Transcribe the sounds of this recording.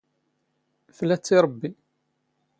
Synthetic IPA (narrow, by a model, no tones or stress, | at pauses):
flæt͡sːiɾˤbːi